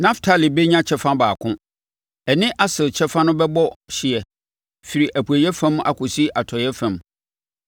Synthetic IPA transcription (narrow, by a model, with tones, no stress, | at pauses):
nã˦ftʰa˦li˨be˦ɲã˦t͡ɕʰɛ˦fã˦baː˨kʰʊ̃˦ | ɛ˨nɪ̃˦ʔa˦sɪ˨lt͡ɕʰɛ˦fã˦nʊ̃˦bɛ˦bɔ˦ɕɪ˨ɛ˨ | fi˨ɾi˨ʔæ˨pʰu˨æ˨jɛ˦fã˦ma̰˨kʰʊ˨si˦ʔa˨tʰɔ˨jɛ˦fæ̃˨m